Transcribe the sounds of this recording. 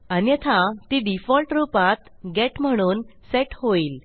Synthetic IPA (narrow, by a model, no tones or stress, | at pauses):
aniɛt̪ʰãt̪iɖifɔlʈɾupat̪ɡeʈm̤əɽ̃uːnseʈhoiːl